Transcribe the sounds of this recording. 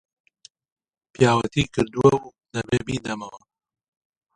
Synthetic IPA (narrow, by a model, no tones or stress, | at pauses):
pijaːwɐt̪iːkɨɾd̪uɐu | nɐbebiːd̪ɐmɐwɐ